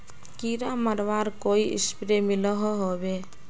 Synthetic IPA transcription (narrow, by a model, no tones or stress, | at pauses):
kiɾamaɾwaɾkojḭspɾemilɔɦɔɦɔbe